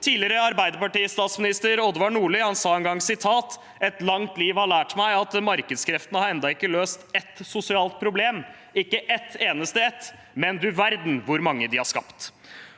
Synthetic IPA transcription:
t̪ʰiːlɪɾəɑɾbæɪd̪əpɑʈiːst̪ɑːt̪smɪnɪst̪əɾɔd̪ʋɑɳuːɭɪhɑnsɑːɛŋɡɑŋːsɪt̪ʰɑːt̪ | ɛt̪lɑŋt̪liːʋhɑɭæːʈmæɪɑt̪mɑɾkəd̪skʰɾɛft̪ənəhɑɾɛnd̪ɑɪkːəløːst̪ɛt̪sʊsɪɑːlt̪̚pʰɾʊbleːm | ɪkːəʔɛt̪eːnəst̪əɛt̪ | mɛnd̪ʉʋæɾd̪n̩ʋʊɾmɑŋːəd̪ɪhɑʂkɑ̰pt̪

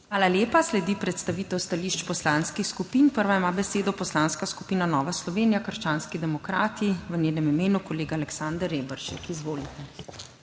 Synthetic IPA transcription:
xʋaːlaljeːpaslɛd̪ipɾɛt̪st̪aʋiːt̪ɛwst̪aliːʃt͡ʃpɔslaːnskixskupiːnpəɾʋaimaːbɛseːd̪ɔpɔslaːnskaskupiːnanɔːʋaslɔʋeːnijakəɾʃt͡ʃaːnskid̪ɛmɔkɾaːt̪iʋənjeːnɛmimeːnukɔleːɡaːlɛksand̪əɾebəɾʃɛ̰kizʋoːlit̪ɛ

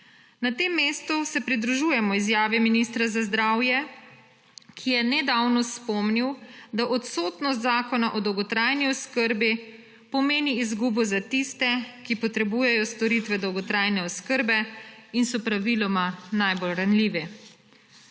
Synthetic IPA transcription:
nat̪eːmːeːst̪usɛpɾid̪ɾuʒuːjɛmɔizjaːʋɛminist̪ɾazazd̪ɾaːwjɛ | kʰijɛnɛd̪awnɔspɔmniwd̪aʔɔt̪soːt̪nɔs̬t̪zaːkɔnaʔɔd̪ɔwɡɔt̪ɾajniɔskəɾbi | pɔmeːniizɡubɔzat̪ist̪ɛkipɔt̪ɾɛbuːjɛjɔst̪ɔɾit̪ʋɛd̪ɔwɡɔt̪ɾaːjnɛɔskəɾbɛinsɔpɾaʋilɔmanajbolɾanliːʋɛ

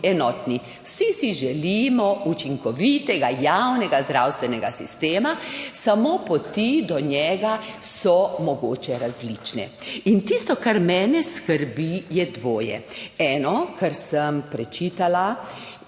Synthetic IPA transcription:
ɛnɔt̪ni | wsisiʒɛlimɔut͡ʃiŋkɔʋit̪ɛɡajawnɛɡazd̪ɾawst̪ʋɛnɛɡasḭst̪eːmasamopɔt̪id̪ɔɲɛɡasɔmɔɡoːt͡ʃɛɾazliːt͡ʃnɛ̰int̪ist̪ɔkaɾmɛːnɛskəɾbijɛd̪ʋoːjɛ̰ɛːnɔkaɾsəmpɾɛt͡ʃit̪ala

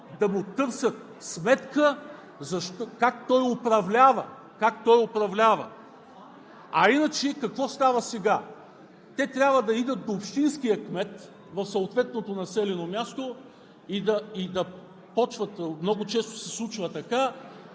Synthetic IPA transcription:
d̪ɐmʊt̪ɤɾsʲət̪̚ | smɛt̪kə | zɐʃt̪kak̚t̪ɔjʊpɾɐvlʲavə̰ | kakt̪ɔjʊpɾɐvlʲavə̰ | ɐinət͡ʃɛkɐkvɔst̪avɐsɛɡa | t̪ɛt̪ɾʲjabvəd̪ɐid̪ət̪̚d̪oːpʃt̪inskijəkmɛt̪ | vɐfsɐʊt̪vɛt̪not̪onɐsɛlɛnomʲast̪o | id̪ɐid̪ɐ | pɔt͡ʃvɐt̪mnɔɡʊt͡ʃɛst̪o̥sɛslˠut͡ʃvət̪ɐka

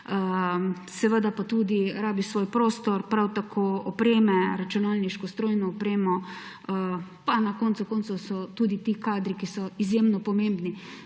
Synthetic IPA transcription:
ə | sɛʋəd̪apat̪ud̪iɾaːbisʋoːjpɾoːst̪ɔɾpɾawt̪akʰoɔpɾeːmɛɾat͡ʃunalniʃkɔst̪ɾoːjnɔːpɾeːmɔ | panakoːnt̪sukoːnt̪susɔt̪uːd̪it̪ikaːd̪ɾikisɔizjemnɔpɔmẽmbni

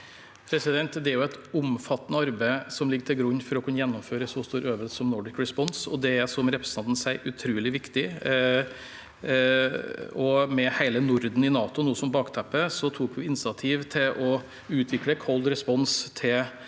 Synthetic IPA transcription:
pʰɾɛsɪd̪ɛnt̪d̪ɛæɾjʊɛt̪ʊmfɑt̪ːənəɑɾbæɪsɔmlɪɡːəʈ̪ʰɪlɡɾʉnːfɔɾɔkʰʉnːəjɛnːʊmføːɾəsɔst̪uːɾøːʋəlsɔmnɔɖɪkɾɛspɔnsɔ̰d̪ɛæɾsɔmɾɛpɾəst̪ʰɑnt̪n̩sæɪʔʉt̪ʰɾuːlɪʋɪkt̪ɪ | ɔmɛhæɪlənʊɾd̪n̩ɪnɑːt̪ʊnuːsɔmbɑːkt̪ʰæpːəsɔt̪ʰuːkʋɪɪnsɑt̪ʰiːʋt̪ʰɪlʔɔ | ʉːt̪ʰʋɪkləkʰɔld̪ɾɛspɔnst̪ʰɪl

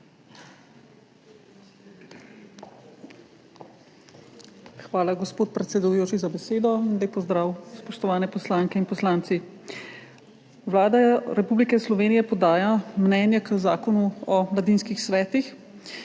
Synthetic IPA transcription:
xʋaːlaɡɔspoːt̪̚pɾɛt̪sɛd̪ujoːt͡ʃizabɛseːd̪ɔind̪ajpɔzd̪ɾaːwspɔʃt̪ɔʋaːnɛpɔslaːŋkɛinpɔslaːnt̪si | ʋlaːd̪aɾɛpublikɛslɔʋeːnijɛpɔd̪aːjamnɛːnjɛkəzaːkɔnuɔʋlad̪iːnskixsʋɛːt̪ix

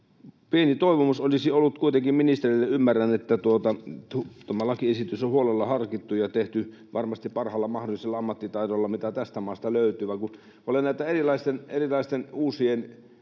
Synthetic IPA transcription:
pienit̪oiʋomusolisiolːut̪kuit̪eŋkimminist̪erilːeymːærænet̪ːæt̪uot̪ɑut̪uomːɑlɑkiesit̪ysohuolelːɑhɑrkit̪ːujɑt̪eht̪y | ʋʔɑrmɑst̪ippɑrhɑlːɑmɑhdoliselːɑɑmːɑt̪ːit̪ɑit̪olːɑmit̪æt̪æst̪æmɑːst̪ɑløyt̪ˑyːʋɑˑiŋku | olenæˑit̪æerilɑist̪enerilɑist̪enuːsien

